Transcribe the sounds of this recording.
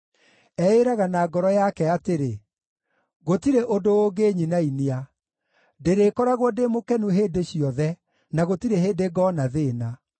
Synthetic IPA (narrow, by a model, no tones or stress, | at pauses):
ɛeɾaɣanaːɡɔɾɔjakɛateɾe | ɣotiɾeʔodooːɡeːɲinainia | deɾekɔɾaɣwɔdemokɛnuɦeːdeɕiɔðɛ | naɣotiɾeheːdeɡɔnaðena